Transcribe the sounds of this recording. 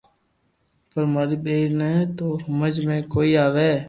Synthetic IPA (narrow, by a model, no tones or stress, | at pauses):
pəɾmaːɾiːɓeːɾnɛ̃t̪oːhəməd͡ʒmẽːkoːiːaːʋeː